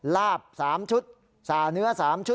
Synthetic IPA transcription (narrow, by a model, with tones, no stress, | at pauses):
laː˥˩p̚saː˩˦mt͡ɕʰu˦˥t̪̚ | saː˨˩nɯ˦˥ɐsaː˩˦mt͡ɕʰu˦˥